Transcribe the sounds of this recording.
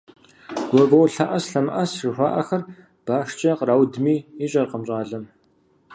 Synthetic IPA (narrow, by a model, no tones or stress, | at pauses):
ɡ̥ʷɔbɐwɬɐʔɐsɬɐmʔɐsrɨxʷa̰ːʔɐxɐr | b̥aːʂt͡ʃʼɐqraːwdmiːiɕʼɐrqəmɕʼaːɮɐm